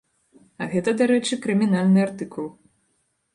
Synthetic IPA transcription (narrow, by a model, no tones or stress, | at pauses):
ɐɣɛt̪ɐd̪aɾɛt͡ʂɨkɾɨmʲin̪alʲnɨart̪ɨkulˠ